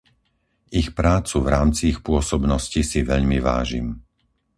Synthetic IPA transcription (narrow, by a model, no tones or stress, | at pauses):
ixpɾaːt͡suvɾaːmt͡siixpʊɔsɔbnɔscisiʋɛʎmiʋa̰ːʒḭm